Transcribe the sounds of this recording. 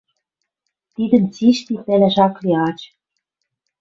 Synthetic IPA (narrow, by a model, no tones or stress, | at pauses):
t̪id̪ə̆mt͡siʃt̪ip̪ĕleʃɑkliɑt͡ɕ